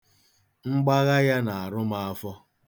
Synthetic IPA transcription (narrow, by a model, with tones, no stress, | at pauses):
ŋ͡m̩˦ɡ͡ba˦ɣa˦ja˦na˨a˨ɾʊ˦ma˨a˨fɔ˦